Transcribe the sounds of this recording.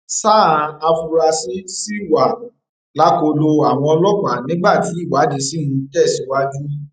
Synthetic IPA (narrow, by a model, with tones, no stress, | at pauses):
saː˦˨ã˨˧a˧fu˧ɾa˧si˦si˦˨wa˨ | la˨˦ko˧lo˧a˨w̃ɔ̃˧ɔ˧lɔ˦k͡pa˨nĩ˨˦ɡ͡ba˦˨ti˨˦i˦˨wa˨˦de˧si˦nũ˧tɛ˦˨si˨˦wa˦d͡ʒu˦